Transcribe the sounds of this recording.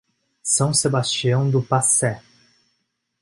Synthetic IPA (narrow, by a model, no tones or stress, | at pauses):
sɐ̃w̃sebast͡ʃiɐ̃w̃d̪ʊpasɛ